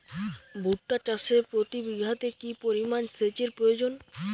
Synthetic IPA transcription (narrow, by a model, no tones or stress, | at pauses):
bʱuʈːat͡ɕasepɾot̪ibiɡʱat̪ekipoɾimanset͡ɕeɾpɾojod͡ʑon